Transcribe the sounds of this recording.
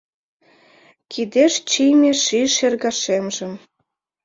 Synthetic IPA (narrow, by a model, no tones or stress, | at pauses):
kʰid̪eʃt͡ɕijmʲeʃiʃerɣɑʃemʒə̆m